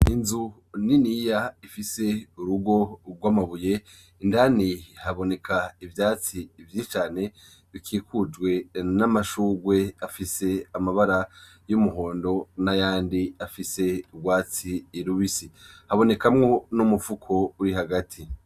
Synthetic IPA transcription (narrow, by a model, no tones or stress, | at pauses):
inzu | ninijaifise̞uɾuɡo̞ɡwaːmaβuje̞ | indanihaβo̞ne̞kʰaivjaːt͡siːvjit͡ʃaːne̞ | βikʰiːkʰud͡ʒɡwe̞namaʃuːɡwe̞afise̞amaβaɾa | jumuɦo̞ːndo̞najaːndiafise̞uɡwaːt͡siːɾuβisihaβo̞ne̞kamŋo̞numufukʰo̞uɾihaɡatʰi